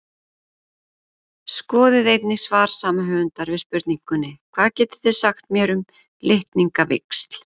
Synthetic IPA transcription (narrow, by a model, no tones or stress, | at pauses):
skɔːðɪðejt̪nɪsvaːɾ̥saːmaɦœːvʏnt̪aɾvɪðspʏɾt̪niŋkʏnːɪkʰv̥aːðcɛːt̪ɪ̥θɪ̥saxt̪mjɛːɾʏm | leht̪niŋkavɪ̰kst̪l̥